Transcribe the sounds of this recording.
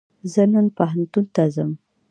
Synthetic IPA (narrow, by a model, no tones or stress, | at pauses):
zənənpaɦant̪unt̪azəm